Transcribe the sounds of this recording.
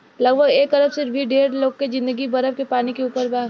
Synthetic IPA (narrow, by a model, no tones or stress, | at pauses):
lɐɡ̚bʱəɡeːk̚t̪əɾəfsɪɾbʱiɖeːɾloːɡked͡ʒɪ̃nd̪əɡibɐɾəbkepaːnikeuːpəɾbaː